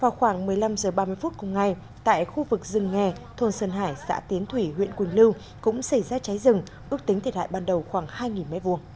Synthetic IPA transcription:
vaː˨˩wxwaː˧˩ŋmɨ˨˩əjla˧mzəː˨˩ɓaː˧mɨ˧əjfu˦˥t̚kʊ˨˩ŋ͡mŋa˨˩j | t̪a̰ː˧˨jxu˧vɨ˨˩k̚zɨ˨˩ŋːɛ˨˩t̪ʰo˧nsəː˧˩nɦaː˧˩jsa̰ː˧˥t̪i˨˦ənt̪ʰwi˧˩ɦwḭ˧˨ənkwi˨˩ŋlɨ˧w | kʊ̰˧˥ŋ͡msa˧˩jzaː˧t͡ɕa˨˦jzɨ˨˩ŋ | ʔɨ˦˥ək̚t̪ï˨˦ŋt̪ʰt̚ha̰ː˧˨jɓaː˨˩nɗə˨˩wxwaː˧˩ŋhaː˧jŋi˨˩nma̰˧˥jvu˨˩əŋ

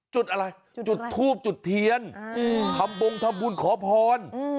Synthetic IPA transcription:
t͡ɕu˨˩t̪̚ʔa˧ɾa˧jt͡ɕu˨˩t̪ʰːuː˥˩p̚t͡ɕu˨˩t̪ʰːi˧ənt̪ʰa˧mbo˧ŋt̪ʰa˧mbuː˧nkʰɔː˨˦pʰɔː˧n

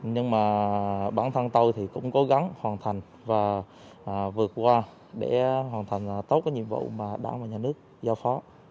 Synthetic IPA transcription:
ɲɨ˧ŋmaː˨˩ɓaː˧˩nt̪ʰə˧nt̪ə˧wjt̪ʰi˨˩kʊ̰˧˥ŋ͡mko˨˦ɣa˨˦ŋhwaː˨˩nt̪ʰa˨˩jŋ̟ | vaː˨˩ | ʔːvɨ˨˩ət̚kwaː˧ | ɗe˧˩ɦwaː˨˩nt̪ʰa˨˩jŋ̟˨˩t̪o˦˥t̚ka˨˦ɲi˧˨əmvṵ˧˨wmaː˨˩ɗa̰ː˧˩ŋvaː˨˩ɲaː˨˩nɨ˦˥ək̚zaː˧wfɔ˨˦

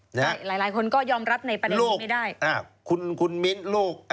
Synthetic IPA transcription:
na˦˧˥laː˨˩˦jlaː˩˦jkʰo˧nkɔː˥˩jɔː˧mɾa˦˥p̚na˧˩jpɾa˧deloː˧˥˩ma˥˩jdaː˥˩jʔaː˧˩kʰu˧nkʰu˧nmi˦˥nloː˥˩k̚

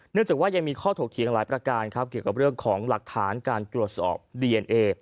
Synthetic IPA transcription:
nɯ˥˩ŋt͡ɕaː˨˩waː˥˩ja˧ŋmiː˧kʰɔː˥˩t̪ʰoː˨˩k̚t̪ʰi˨˩˦ŋlaː˩˦jpɾa˧kaː˧nkʰa˦˥p̚ki˨˩əwka˨˩p̚ɾɯ˥˩əŋkʰɔː˩˦ŋla˨˩k̚t̪ʰaː˩˦nkaː˧nt̪ɾu˨˩ət̪̚sɔ̰ː˨˩p̚diː˧ʔe˧nʔeː˧

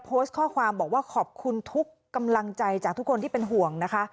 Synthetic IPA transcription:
pʰoː˦˥st̪̚kʰɔː˥˩kʰwaː˧mbɔː˨˩k̚waː˥˩kʰɔː˨˩p̚kʰu˧nt̪ʰu˦˥kːa˧mla˧ŋt͡ɕa˧jt͡ɕaː˨˩k̚t̪ʰu˦˥kʰːo˧nt̪iː˥˩pe˧nɦu˨˩əŋna˦˥kʰa˦˥

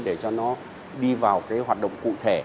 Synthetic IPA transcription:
ɗe˧˩t͡ɕɔ˧nɔ˨˦ | ɗi˧vaː˨˩wkaː˨˦jɦwaː˨˩t̚ɗə̰˧˨wŋ͡mkṵ˧˨t̪ʰe˧˩

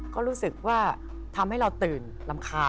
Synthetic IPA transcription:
kɔː˥˩ɾuː˦˥sɯ˨˩k̚waː˥˩ | t̪ʰa˧mha˥˩jɾa˧wt̪ɯː˨˩n | la˧mkʰaː˧

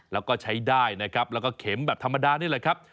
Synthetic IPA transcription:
lɛː˦˥wkɔː˥˩t͡ɕʰa˦˥jdaː˥˩jna˦˥kʰɾa˦˥p̚lɛː˦˥wkɔː˥˩kʰe˩˦mbɛː˨˩p̚t̪ʰa˧mːa˧daː˧niː˥˩lːjkʰɾa˦˥p̚

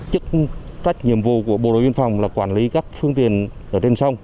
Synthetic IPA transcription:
t͡ɕɨ˦˥k̚t͡ɕa˦˥jk̟̚ɲḭ˨˩əmvṵ˧˨ku˧˩əɓo̰˨˩ɗo̰˨jvi˧nfa˨˩wŋ͡mlaː˨˩kwaː˧˩nli˨˦kaː˦˥k̚fɨ˧əŋt̪i˨ənʔəː˧˩t͡ɕe˧nsə˧wŋ͡m

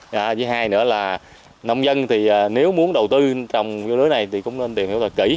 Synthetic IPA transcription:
ʔaː˨˧˩t͡ɕi˨˦ɦaː˧jnɨ̰˧˥əlaː˨˩ | na˧wŋ͡mzə˧nt̪ʰi˨˩ʔaː˨˩ne˨˦wmu˨˦ənɗə˨˩wt̪ɨ˧t͡ɕɔ˧˩wŋ͡mzo˧lɨ˨˦jna˨˩jt̪ʰi˨˩kʊ̰˧˥ŋ͡mne˧nt̪i˨˩nhḭ˧˥wt̪ʰə˨˩kḭ˧˩

